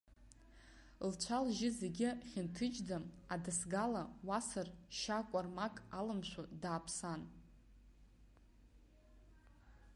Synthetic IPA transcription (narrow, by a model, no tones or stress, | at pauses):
lt͡ʃʷʰalʒɪzeɡʲɪχʲɪntʰɨd͡ʒdamadɨsɡalawasɨrʃakʷʼarmakʼalɨmʃʷᶣadaːpʰsan